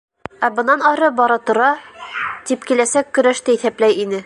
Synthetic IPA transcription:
æbɤ̆nːɑnɒɾɤbɒɾɤt̪ŏɾɑt̪ipkilæsækːɵ̆ɾæʃt̪æiθæplæjinɘ

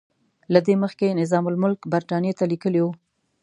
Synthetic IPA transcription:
lad̪eməxkenɪzɑmʊlmʊlkbaɾt̪ɑnjet̪alikəliwu

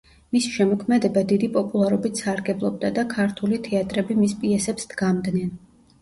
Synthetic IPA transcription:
misi̥ʃɛmɔkʰmɛd̪ɛbad̪id̪ipʼɔpʼulˠaɾɔbit̪ʰsaɾɡɛblˠɔb̚d̪ad̪akʰaɾt̪ʰulit̪ʰɛat̪ʼɾɛbimispʼiɛsɛpsd̪̥ɡamd̪nɛn

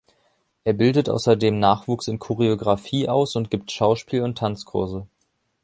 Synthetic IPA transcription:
ʔeːɐbɪldətʔa̰ʊsɐdeːmnaːχv̥uːksɪnkʰoʁ̞eoɡʁafiːʔaʊsʊnt̚ɡ̥iːp̚tʃaʊʃpiːlʊntʰːant͡skʰʊɐzə

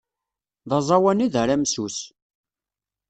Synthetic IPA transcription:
ðˤɑzˤɑwæniðəɾæmsus

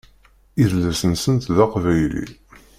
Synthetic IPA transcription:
iðlæsənsənt̪ðɑqvæjlḭ

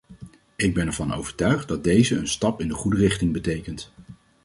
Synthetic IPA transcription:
ɪɡ̚bɛnɛɹvɑno̰wvəɹtœɥχt̚dɑd̚dejzəənstɑpɪndəχudərɪχtɪŋbətejkənt

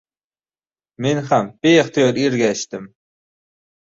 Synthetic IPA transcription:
menχamb̥eχt̪ijɒɾiɾɡʲæʃt̪ɪm

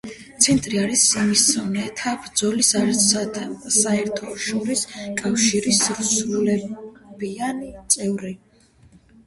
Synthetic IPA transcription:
t̪sʰɛnt̪ʼɾiaɾisimisɔnɛt̪ʰabɾd̪zɔlisa | saɛɾt̪ʰɔʃɔɾiskʼafʃiɾisɾusɾulɛb̥ianit̪sʼɛvɾi

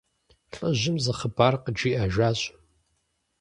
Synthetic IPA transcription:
ɬʼəʑɪmzɐχəbaːrqəd͡ʒiːʔaʒʷaːɕʼ

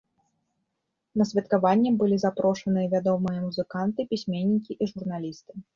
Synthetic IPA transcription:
nɐsʲvʲɐt̪kavanʲːɛbɨlʲizapɾɔʂɐnɨjɐvʲad̪ɔmɨjɐmuzɨkant̪ɨpʲisʲmʲenʲːikʲiʔiʐurnalʲist̪ɨ̥

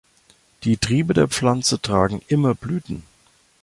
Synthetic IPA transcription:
d̥iːtʁ̥iːbədeːɐp͡flant͡sətʁ̥aːɡŋ̩ʔɪmɐblyːtn̩

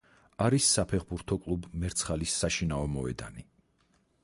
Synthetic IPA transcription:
aɾisːapʰɛχbuɾt̪ʰɔkʼlˠubmɛɾt̪sʰχalisːaʃinaɔmɔɛ̰d̪a̰ni

